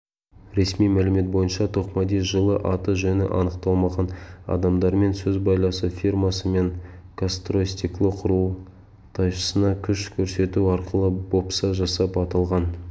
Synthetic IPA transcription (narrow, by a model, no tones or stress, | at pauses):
ɾe̞smijmælɪme̞t̪̚bo̞jənʃɑt̪ʰoqmɑd̪esʒəlˠəʔɑt̪əʒɵnɪ̰ʔɑ̰nəqt̪ɑlˠmɑʁɑnɑ̰d̪ɑmd̪ɑɾme̞nsɵzbɑjlˠɑsəfʲirmɑsəme̞ŋkʰast̪rosʲt̪iklˠəqʰʊɾu | t̪ʰɑjʃə̥sənɑkʲʰʏʃkʲʰɵɾse̞t̪uɑɾqəlˠəbo̞psɑʒɑsɑpɑt̪ɑlˠʁɑn